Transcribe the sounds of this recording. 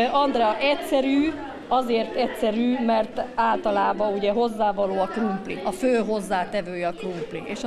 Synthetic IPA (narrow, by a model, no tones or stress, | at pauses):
ɒnd̪ɾɛɒʔɛcsɛɾyː | ɒzeːrt̪ɛtsɛɾyːmɛrt̪aːlt̪ɒlaːbɒuɟɛɦo̞zːaːvɒloːɒkrumplḭɒføːɦo̞zːaːt̪ɛvøːjɛɒkrumplḭʔeːʃ